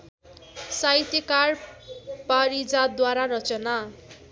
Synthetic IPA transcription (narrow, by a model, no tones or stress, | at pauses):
sajt̪jʌkarpaɾid͡zad̪waɾarʌt͡sʌna